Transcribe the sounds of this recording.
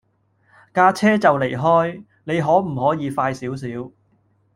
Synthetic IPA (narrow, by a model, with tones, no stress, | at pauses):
kaː˧t͡sʰɛː˥t͡sɐ˨wle˨˩jɦɔː˥j | ne˨˧jɦɔː˨˥m̩˨˩hɔː˨˥jiː˨˧faː˧jsiː˨˥ws̬iː˨˥w